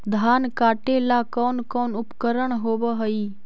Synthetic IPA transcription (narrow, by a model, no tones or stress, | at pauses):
d̪ʱaːnkaːʈelakɔːnkɔːnʊpkəɾəɳɦoːbəɦəi